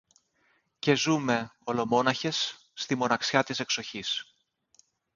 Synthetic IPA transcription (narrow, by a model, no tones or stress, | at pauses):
ce̞zume̞o̞lo̞mo̞nɐçe̞sː | t̪imo̞nɐksçɐt̪ise̞kso̞çis